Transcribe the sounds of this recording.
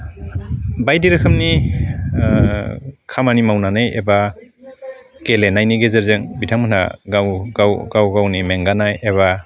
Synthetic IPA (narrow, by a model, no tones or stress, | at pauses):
bajdiɾɯkʰɯmni | kʰamanimawnanɯjḛba | kelenajniɡezeɾzeŋbitʰaŋmɯna̰ɡawɡawɡawɡawnimeŋɡanajeβa